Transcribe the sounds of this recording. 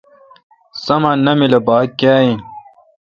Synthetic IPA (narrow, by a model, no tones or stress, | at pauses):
sɐmanɐmilɐbaːkːaːjĩn